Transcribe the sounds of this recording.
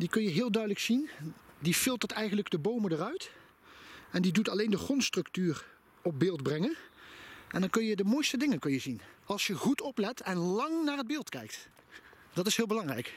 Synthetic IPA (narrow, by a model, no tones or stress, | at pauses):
dikɵnjəɦɪːlˠdœɥdələksindifɪlˠtəɹtɛjχənləɡdəbowmədərœɥt | ɛndidutɑlejndəχɔnstrɵktyːr | ɔp̚bɪːlˠdbrɛŋən | ʔɛndɑnkɵnjədəmoːjstədɪŋəkɵnjəzinɑlˠsjəɣutɔplɛtɛnlɑŋnaːɹəd̚bɪːlˠtkɛ̰jk̚t | d̥ɑtɪsɦɪːlˠbəlɑŋrɛ̰jk